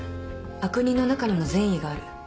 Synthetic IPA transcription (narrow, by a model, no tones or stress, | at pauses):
akɯ̟ɲ̟ino̞nakaɲ̟imo̞zẽ̞ɰ̃iɡaːɾɯ̟